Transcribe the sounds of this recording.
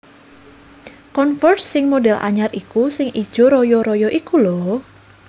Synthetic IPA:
kɔnfɔrtsɪŋmoɖɛlʔa̰ɲarikusɪŋʔid̥ʒ̥ɔ̤ɾɔjɔɾɔjɔʔikulɔ

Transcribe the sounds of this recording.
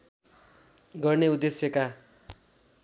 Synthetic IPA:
ɡʌrneud̪ːesjʌka

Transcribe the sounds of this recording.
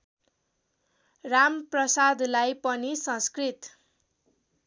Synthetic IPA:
ramprʌsad̪lajpʌnisʌ̃skrit̪

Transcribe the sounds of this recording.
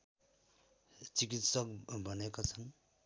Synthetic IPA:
t͡sik̬it̪sʌk̚bʌnekat͡sʰʌn

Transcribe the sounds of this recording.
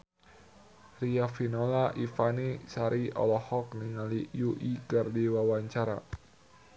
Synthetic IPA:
riafinolaʔifanisaɾiɔ̰lɔhɔkniŋalijuʔikardiwawaɲt͡ʃaɾa̰

